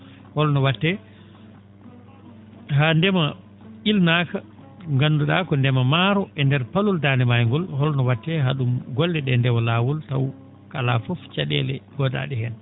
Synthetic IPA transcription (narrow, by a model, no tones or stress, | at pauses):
hɔlnɔwatːɛ | handɛma | ilnaka | ŋɡanduɗakɔndɛmamaɾɔʔɛndɛɾpaluldanɛmajŋɡɔlhɔlnɔwatːɛɦaɗumɡɔlːɛɗɛndɛwɔlaːwɔlta̰w | kalafɔft͡ʃaɗɛ̰lɛɡɔda̰ɗɛhɛn